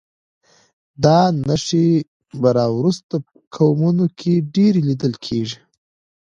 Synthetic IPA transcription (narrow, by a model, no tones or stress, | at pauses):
d̪ɑnaʂe | baɾɑwɾust̪apəkʰawmunokʰeɖeɾelid̪əlkʰeʐi